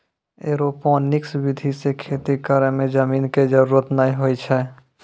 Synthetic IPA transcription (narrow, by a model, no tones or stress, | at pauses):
ḛːɾopɔ̃nɪksbɪd̪ʱisekʰeːt̪ikəɾə̃mẽd͡ʒəmiːnked͡ʒəɾuːɾət̪naːiɦoit͡ʃʰɛ